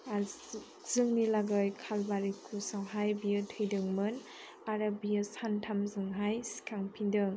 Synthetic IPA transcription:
a | z̥ɯŋnilaɡɯjkʰalbaɾikʰusawɦajbijatʰɯjdɯŋmɯn | aɾabijasantʰamzɯŋɦajsi̥kʰaŋpʰindɯŋ

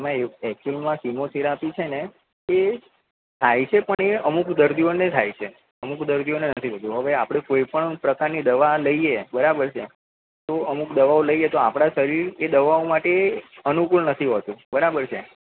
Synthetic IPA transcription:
mãeɛkkulmãsimot̪ʰeɾapit͡ʃʰene | e | t̪ʰajt͡ʃʰepəɳeəmukd̪əɾd̪ionet̪ʰajt͡ʃʰe | əmukd̪əɾd̪ʱionenət̪ʰiɦot̪ũɦəʋeapɽ̃ekoipəɳpɾəkaɾnid̪əʋaləiebəɾabəɾt͡ʃʰḛ | t̪oəmukd̪əʋaoləiet̪oapɽ̃asəɾiɾed̪əʋaomaʈeənukulnət̪ʰiɦət̪ũbəɾabəɾt͡ʃʰe

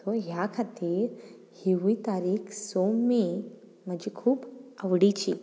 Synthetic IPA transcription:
t̪oɦjakʰat̪iːɾ | hiʋit̪aɾiːksomi | m̤əd͡ʑikʰuːbəʋɽit͡ɕi

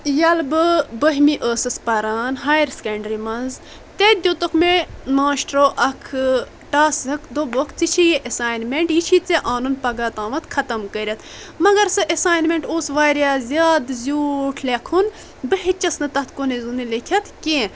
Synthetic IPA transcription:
jɐlbɨbəɦmiʔəːsɨspɐɾaːnɦaːjɾskeɳɖɾimɐnz | t̪ed̪ʲot̪okʰmemaːʃʈɾoːʔɐkʰ | ʈaːsɐkʰd̪obokt̪ʰit͡ʃʰijeʔɐsaːjnmeɳʈjit͡ʃʰit͡seʔaːnunpɐɡaːt̪aːmɐt̪kʰɐt̪ɐmkəɾʲɐt̪ʰ | mɐɡɐɾsɨʔesaːjnmʲeɳʈoːsʋaːɾʲjaːzʲjaːd̪zʲuːʈʰlekʰun | bɨɦit͡ʃɐsnɨt̪ɐt̪ʰkonezunilikʰʲɐt̪ʰkʲẽː

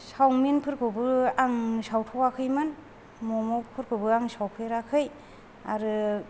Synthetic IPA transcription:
sawminpʰɯɾkʰɯbɯaŋsawtʰɔwakʰɯjmɯn | mɔmɔpʰɯɾkʰɯbɯaŋsawpʰɯjɾakʰɯj | a̰ɾɯ

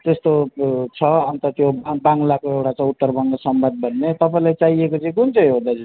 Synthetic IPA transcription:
t̪est̪ot͡sʰʌʌnt̪ʌt̪jobaŋlakoewʈat͡sãuʈːʌrbʌŋɡʌsʌmbʱad̪̚bʱʌnːet̪ʌpaĩlajt͡saiekot͡sʌĩkunt͡sʌ̃j̃ɦod̪ad͡zi

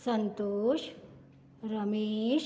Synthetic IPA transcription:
sɐnt̪oːʃ | ɾɐmeːʃ

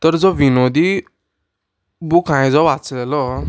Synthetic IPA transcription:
t̪əɾd͡zɔʋinod̪i | bukʰãjd͡zɔbat͡slɛlɔ

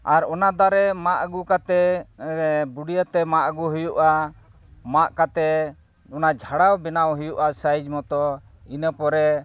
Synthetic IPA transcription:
aɾɔnad̪aɾɛmaʔɡukat̪ɛ | buɽijət̪ɛmaʔɡuɦujuʔa | maʔkat̪ɛ | ɔnad͡ʒʱaɽawbɛnawɦujuʔasajd͡ʒmɔt̪ɔ | inəpɔɾɛ

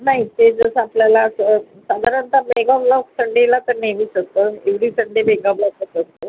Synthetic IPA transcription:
naɦit̪ed͡zəsəapljalasə | sad̪ʱaɾant̪abeɡãblɔksəɳɖelat̪əɾneʋiːɕək̚t̪əeʋɽiːsəɳɖebeɡablasəsək̚t̪ə

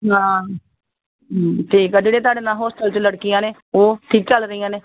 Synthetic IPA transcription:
ɦãː | ʈʰiːkad͡ʒeːɽeːt̪̬aːɖeːnãːɦɔːsʈəlt͡ʃləɽkɪjãːneː | oːt̪ʰiːk̚t͡ʃəlɾəijãːneː

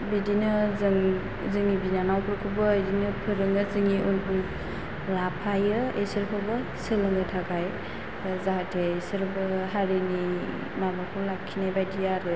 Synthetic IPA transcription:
bidinɯzɯŋ | zɯŋibinanawkʰɯɾkʰɯbɯːjdinɯpʰɯɾɯŋɯzɯŋiʔunʰuŋ | lapʰajɯesɯɾkʰɔbɯ | sɯlɯŋɯtʰaɡaj | zaɦatʰesɯɾbɯɦaɾini | mabakʰɔlakʰːinajbajdijaɾɯ

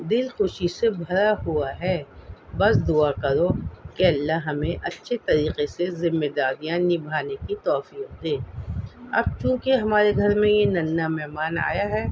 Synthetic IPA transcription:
d̪ɪlxʊʃisebʱɐɾaɦuaɦɛːbɐsd̪ʊakɐɾokeɐlːaɦɦɐmẽʔɐtːʃʰet̪ɐɾiːqesezɪmːed̪aːɾijãnɪbʱaːnekit̪ɔːfiːq̚d̪eː | ɐ̰b̚t͡ʃũːkeɦɐmaːɾeɡʱɐɾmẽjenɐnːamɛɦmaːna̰ːjaɦɛː

